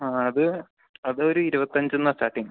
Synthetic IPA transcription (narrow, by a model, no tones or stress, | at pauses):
aːɐðɨ | ɐðɨo̞ɾuiɾubɐt̪ːɐɲd͡ʑunːastaːʈːiŋ